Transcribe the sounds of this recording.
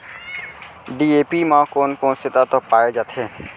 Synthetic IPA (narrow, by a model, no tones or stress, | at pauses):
ɖiepimãkonkonsit̪at̪ɔpajed͡ʑat̪ʰe